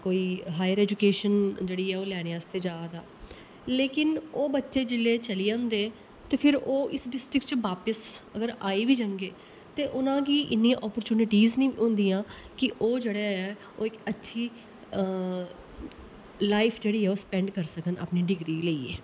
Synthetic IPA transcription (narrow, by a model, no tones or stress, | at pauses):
koːiːɦaːjəɾɛːd͡ʒʊkeːʃənd͡ʒeːɽiːɛːoːlɛːɽ̃eaəst̪eːd͡ʒaːd̪aː | leːkɪnoːbətːʃeːd͡ʒɪlːeːt͡ʃəliʊ̃ːnd̪eː | t̪eːpʰɪɾoːʔɪsɖɪsʈɾɪkt͡ʃʋaːpəsəɡəɾaːiːʋiːd͡ʒãːŋɡeː | t̪eːʔʊnãːkiːʔɪnːiːãʔɔːpəɾt͡ʃuːnɪʈiːznĩʊ̃nd̪ĩːãː | kɪʔoːd͡ʒeːɽeːɛː | oːɪkətːʃʰiː | laːɪpʰd͡ʒeːɽiːɛːoːspɛ̃ːɳɖkəɾsəkəna̰ːpniːɖɪɡɾiːleiːḛː